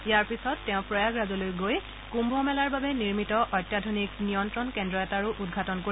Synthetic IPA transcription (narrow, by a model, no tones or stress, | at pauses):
ijaɹpisɔtːɛ̃ʊ̃pɹɔjaɡɹazɔlojɡoj | kumbʱɔmɛlaɹbabɛniɹmitɔʔɔjtjadʱoniknijɔntɹɔnkɛndɹɔɛtaɹuʔudɡʱatɔnkoi